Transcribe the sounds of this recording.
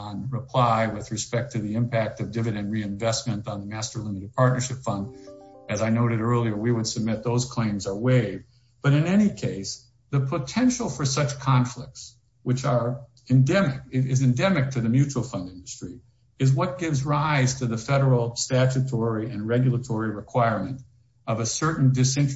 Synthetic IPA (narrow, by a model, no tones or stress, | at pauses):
nɹəpʰl̥aɪwɪðɹɨspɛk̚tʰɨðiɨ̃mpʰæk̚tʌvdɪvɨɾɨ̃nɹiɨ̃ɱvɛsmɨ̃ntn̩ðəmæstə˞lɪ̃mɨɾɨd̚pʰɑɹtⁿnə˞ʃɪpfʌ̃ndɨzaɪnoʊɾɨɾɜ˞lˠiə˞wiwəd̥sɨb̚mɪt̪̚ðoʊz̥kʰl̥ẽɪ̃mzə˞weɪv | b̥ʌɾɨ̃nɛñikʰeɪs | ðɨpʰətʰɛ̃nʃl̩ˠfə˞sʌt͡ʃkʰɑ̃ɱflɪk̚ts | wɨt͡ʃə˞ | ɨ̃ndɛmɪk̚ɪɪzɨ̃ndɛmɨk̚tʰɨðɨmjʉt͡ʃul̩ˠfʌ̃ndɪ̃ndɨstɹ̥i | ɨzwʌt̚ɡ̥ɪvzɹaɪz̥tʰɨðɨfɛɾə˞l̩ˠstæt͡ʃɨtʰɔɹiʔɨ̃nɹɛɡjl̩ˠətʰɔɹiɹɨkʰw̥aɪɹmɨ̃nt | ʌvɨsɜ˞ʔn̩dɨsɪ̃nt͡ʃ